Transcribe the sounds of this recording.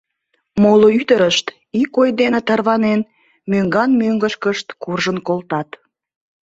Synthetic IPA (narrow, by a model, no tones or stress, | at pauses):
moloyt̪əɾəʃt̪ | ikojd̪enət̪ɑrβɑnen | møŋɡɑnmøŋɡəʃkəʃt̪kurʒənkolt̪ɑt̪